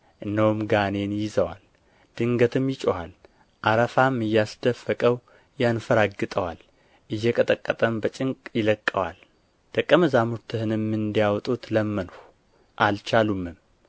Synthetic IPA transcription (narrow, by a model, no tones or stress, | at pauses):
ʔɨnːəwumɡane̞njɪzəwa̰l | d̪̥ɨŋɡət̪ʰɨmjɪt͡ʃʼoa̰l | ʔaɾəfamɨjːasd̪əfːəkʼəw | janfəɾaɡɨt̪ʼəwal | ʔɨjːɛkʼət̪ʼəkʼːət̪ʼəmbət͡ʃʼɪŋkʼjɪləkʼːəwa̰l | d̪̥əkʼːəməzamuɾt̪ʰɨhɨnɨmːɨnd̪ijawt̪ʼut̪ləmːənohu | ʔalt͡ʃalumːɨm